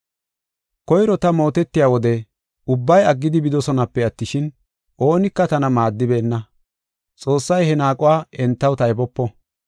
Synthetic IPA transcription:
kɔjɾɔt̪ɐmo̞ːt̪ɛt̪ːɪjaːwɔd̪ɛ | ʊbːɐjɐɡːɪd̪ɪbɪd̪ɔsɔnɐpːɛɐt̪ːɪʃɪn | ʔo̞ːnɪkːɐt̪ɐnɐmaːd̪ːɪbe̞ːnːɐ | t͡sʼo̞ːsːɐjhɛnaːkʼʊwaːɛnt̪ːɐwt̪ɐjbɔpːɔ

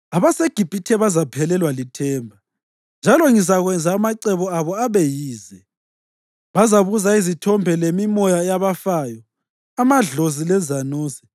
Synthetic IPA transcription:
aβaseɡ̥ʱib̥ʱitʰɛβazapʰɛlɛlwalitʰɛːmbʱa | nd͡ʒʱalɔŋisaɣwɛnd͡zʱaːmaǀɛβɔaβɔaβejiːzɛ | βazaβuzaizitʰɔmbʱɛlemimɔjaɛjaβafajɔ | amaɮozilɛzanuːsɛ̥

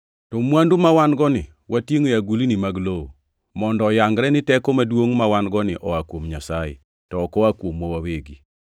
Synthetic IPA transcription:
tɔmwandumawanɡɔnɪ | wʔatjeŋojaɡulinimaɡloo | mɔndɔːjaŋɡɾɛnɪtɛkomadwoŋmawanɡɔnɪʔɔakwomɲasajḛ | tɔːkɔwakwomwɔwaweɡi

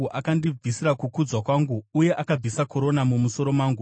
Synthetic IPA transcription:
ʔakandib͡visiɾakukud͡zwakwaːŋɡuːje̞ʔakab͡visako̞ɾo̞namumuso̞ɾo̞mwaːŋɡu

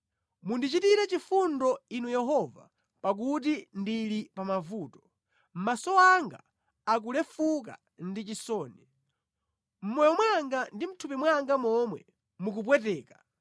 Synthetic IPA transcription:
mundit͡ʃitiɾɛt͡ʃifundɔinujɛɦɔva̰ | pak̬ut̬indilipamavuːtɔ̥ | m̩masɔaŋɡa̰ | ak̬ulɛfuk̬a̰ | ndit͡ʃisɔːni | m̩mɔjɔmwaŋɡandim̩tʰupimwaŋɡamɔmwɛ̰ | mukup̬wɛt̬ɛːkḁ

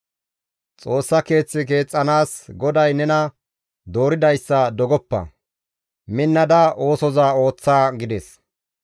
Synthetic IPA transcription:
t͡sʼo̞ːsːɐke̞ːt͡sːɪk̬e̞ːt͡sʼːɐnaːsɡɔd̪ɐjnɛnɐ | d̪o̞ːɾɪd̪ɐjsːɐd̪ɔɡɔpːɐ̰ | mɪnːɐd̪ɐʔo̞ːsɔzao̞ːt͡sːaːɡɪd̪ɛs

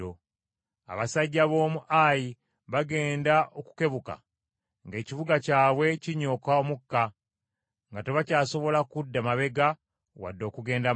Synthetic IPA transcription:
o | a̰βasaɟːaβo̞ːmuʔaji | βaɡe̞ːndaoku̥ke̞βuka̰ | ŋɡe̞ːciβuɡacaːβwe̞ciɲo̞kaomukːa | ŋɡateβacaːso̞βo̞lakudːamaβe̞ɡa | wa̰dːo̞ːkuɡe̞ːnda

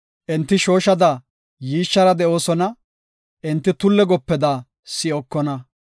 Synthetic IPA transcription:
ʔɛnt̪ːɪʃo̞ːʃɐd̪ɐ | jiːʃːɐɾɐd̪ɛʔo̞ːsɔnɐ | ʔɛnt̪ːɪt̪ʊlːɛɡɔpːɛd̪aː | sɪɔkːɔnɐ

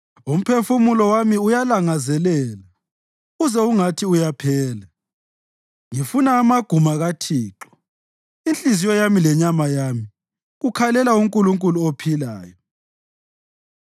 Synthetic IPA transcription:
um̩pʰefumulɔwamiujalaŋazɛlɛːla | ɣuzɛuŋatʰiujapʰɛːlɛ | ŋifunaːmaɡ̥ʱumaɣatʰiːǁɔ̥ | int͡ɬʼizijɔjamilɛɲamajami | ɣukʰalɛlauŋkʼuluŋkʼuluopʰila̰ːjɔ

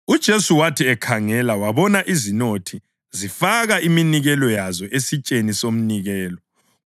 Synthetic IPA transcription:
ud̥ʒ̥ʱesuwatʰiɛkʰaŋɛlawaβɔnaʔizinotʰi | zifaɣaʔiminiɣɛlɔjazɔʔesit͡ʃʼenisom̩niɣɛːlɔ

